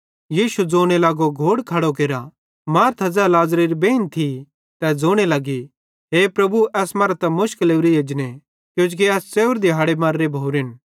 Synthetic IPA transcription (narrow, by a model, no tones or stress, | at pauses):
jiːʃud͡zoːɽ̃elaːɡoɡʱoːɽkʰɐɽok̬eːɾa | maːɾt̪ʰɐd͡zɛlaːzɾiːɾibeːɪnt̪ʰi | t̪ɛd͡zoːɽ̃elaɡi | ɦeːpɾɐbuɛːsmɐːɾt̪ɛmʊʃkəleːʋɾijeːd͡ʒne | kjũːd͡ʒkiɛːst͡seːʊɾd̪iɦaːɽemaːɾːebʱoːɾɪn